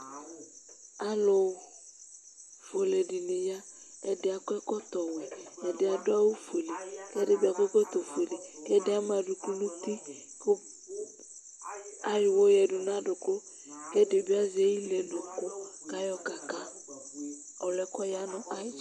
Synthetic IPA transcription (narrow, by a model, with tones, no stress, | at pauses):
a˦lo˨ | fo˨le˨dɪ˨nɪ˨ja˦ | ɛ˨dɪ˦a˨kʊ˦ɛ˦kɔ˦t̪ɔ˨wɛ˨ɛ˨dɪ˨˦a˨dʊ˦a˦wo˦fe˨le˨kɛ˦dɪ˦ba˨kɛ˦kɔ˦t̪o˨fu˨e˨le˨kɛ˦dɪ˦a˦m˦a˨dʊ˨ku˦nʊ˦t̪i˦ | k | a˦jɪ˨wo˦jɛ˨dʊ˨n˦a˦dʊ˨kʊ˦ | kɛ˦dɪ˨bɪ˦a˦zɪ˨˦ɛ˦ji˦lɛ˨nʊ˨kʊ˦ka˦jɔ˦ka˨ka˦ | ɔ˨lɛ˦kɔ˦ja˦nʊ˨ʔa˦ɪ˦